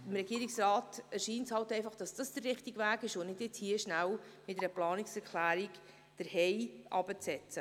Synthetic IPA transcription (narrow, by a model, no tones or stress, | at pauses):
ɪmɾɛɡiəɾiksɾɑːtɛɾʃiːntshɑltɛɪfɑχd̥ɑsd̥ɑsd̥ərːɪχtɪɡvæːɡɪʃonɪdjɪt͡shiəʃnæwmɪtɛɾəplɑːnɪksɛɾkʰlæːɾik | d̥əɾhɛɪʔɑb̥ət͡sɛt͡sə